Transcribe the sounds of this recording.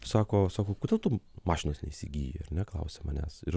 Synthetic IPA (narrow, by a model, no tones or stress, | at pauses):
sɑːkoːsɑːkoːkod̪ʲeːlˠt̪ʊmɑːʃʲɪnoːsnʲɛisʲɪ̰ɡʲḭːjḭɐ̰ɾʲnʲɛklˠɐ̰ʊsʲɛmɐnʲæ̰ːsɪɾ